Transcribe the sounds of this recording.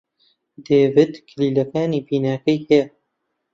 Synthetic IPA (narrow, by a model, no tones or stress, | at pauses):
d̪eːvɪd̪kʰɪliːlɐkaːniːbiːnaːkɐjhɛjɛ